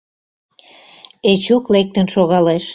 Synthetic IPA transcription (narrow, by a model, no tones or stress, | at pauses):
et͡ɕuklek̚t̪ənʃoɣɑleʃ